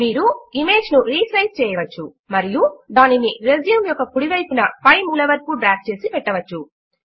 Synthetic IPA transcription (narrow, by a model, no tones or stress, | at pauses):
miːɾuime̞ːd͡ʒnuɾiːsɐjst͡ʃɛːjɐʋɐt͡ʃːu | mɐɾijud̪aːniniɾezjumjɔkːɐkuɽiʋɐjpunɐpɐjmuːlɐʋɐɾkuɖɾaːkt͡ʃe̞ːsipɛʈːɐʋɐt͡ʃːu